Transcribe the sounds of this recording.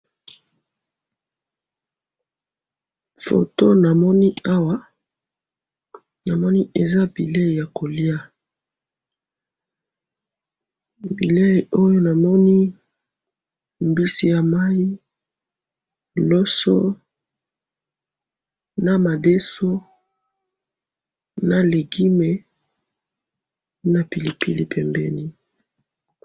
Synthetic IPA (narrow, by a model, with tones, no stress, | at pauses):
fo̰˨to˦na˨mɔ˦ni˦a˦wa˦ | na˨mɔ˦ni˦e˨za˦bi˨le˦˨ja˨ko˨li˦a˦ | bi˨le˦˨o˦jo˦na˨mɔ˦ni˦ | mbi˦si˦ja˨ma˦i˦ | lo˦so̰˦ | na˨ma˨de˦so˦ | na˨le˨ɡi˦me˨ | na˨pi˨li˨pḭ˨li˦pʰɛ˨mbɛ˨ni˦